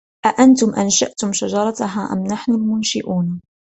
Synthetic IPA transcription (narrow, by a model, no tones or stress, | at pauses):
ʔaʔant̪ʊmʔanʃa̰ʔt̪ʊmʃaʒɑɾˤɑt̪ɦaːʔa̰mnaħnʊlmʊnʃɪʔuːn